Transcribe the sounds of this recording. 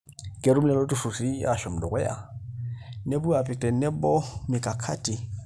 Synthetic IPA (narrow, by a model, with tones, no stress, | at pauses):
kʼe˨ɾu˦m̩lɛ˦lɔ˦u˦su˨si˦ja̰˦˨ʃɔ˨m̩˨dɔ˨kwɛ˦ja̰˦˨ | ne˦bu˦a˨pɪ˨k̚tʼɛ˨˦nɛ˦bɔ˦mɪ˨kʼa˨kʰa˦tʼi˨